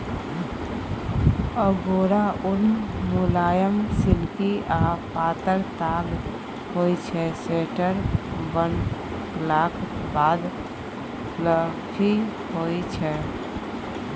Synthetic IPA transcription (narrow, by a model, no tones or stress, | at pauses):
əɡoɾaunmulajəmsilkiapat̪əɾt̪aɡ | hojt͡ʃʰɛseʈəɾbən | klakʰbad̪ | ləkʰi | hojt͡ʃʰɛ